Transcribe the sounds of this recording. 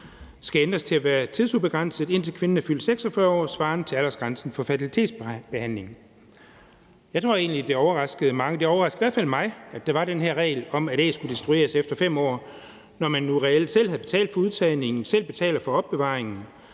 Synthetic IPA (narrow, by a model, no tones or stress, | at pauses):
sɡ̥æend̥ʁɐst͡sʰe̝æʋæːɐt͡sʰið̞ˠsub̥e̝ɡ̥ʁɑn̰səð̩ˠe̝n̰t͡sʰe̝lkʰʋe̝nənæfyl̰d̥seɡ̥sɒfɶɐɒ̰ːsʋɑ̈ːnət͡sʰe̝læl̰ɐsɡ̥ʁansn̩fɒ̽fæt͡sʰilit͡sʰe̝̰ːd̥sb̥e̝hæn̰le̝ŋ̩ | jɑ̈ɪt͡sʰʁo̝ɐ̰e̝ːnlid̥e̝ɒʊɐʁɑ̈sɡ̥əð̞̩ˠəmɑ̈ŋəd̥e̝ɒʊɐʁɑ̈sɡ̥̩iæɐ̰fæl̰mɑ̈ɪæd̥eʋɑ̈ɾ̥enɦæɐ̰ʁɛ̰ːɪlɒ̽mæd̥ɛ̰ːsɡ̥ud̥isd̥ʁue̝̰ːɐsefd̥ɐfem̰ɒ̰ː | nɒmænːuʁɛel̰d̥sel̰hæðˠb̥e̝t͡sʰɛ̰ːld̥fɒ̽uð̞ˠt͡sʰɛːne̝ŋn̩sel̰b̥e̝t͡sʰɛ̰ːlɐfɒ̽ɒ̽b̥ːe̝ʋɑ̰̈ːʁeŋn̩